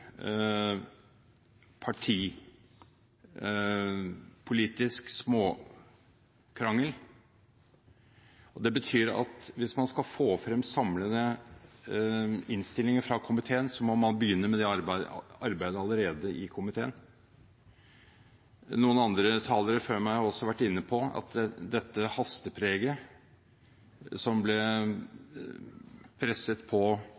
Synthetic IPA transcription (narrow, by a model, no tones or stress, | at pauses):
pʰɑʈʰiː | pʰʊliːt̪ɪsksmoː | kʰɾɑŋːəl | ɔd̪ɛbət̪ʰyːɾɑ̰t̪ʋɪsmɑnskɑlfoːfɾɛmsɑmlənə | ɪnst̪ɪlɪŋəɾfɾɑkʰʊmɪt̪ʰeːənsɔmɔmɑnbəjʏnːəmɛd̪ɛ | ɑɾbæɪd̪əɑləɾeːd̪əʔɪkʰʊmɪt̪ʰeːən | nuːənɑnd̪ɾət̪ʰɑːləɾəføːmæɪhɑɾɔsɔʋæʈːɪnːəpʰɔɑ̰t̪d̪ɛt̪ːəhɑst̪əpʰɾeːɡə | sɔmblɛ | pʰɾɛsət̪pʰɔ